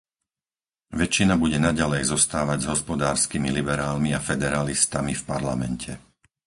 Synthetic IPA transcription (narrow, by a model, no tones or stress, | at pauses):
ʋɛt͡ʃːinabuɟɛnaɟalɛjzɔst̪aːʋaɟzɦɔspɔd̪aːɾskimilibɛɾaːlmiafɛd̪ɛɾalist̪amifpaɾlamɛncʰɛ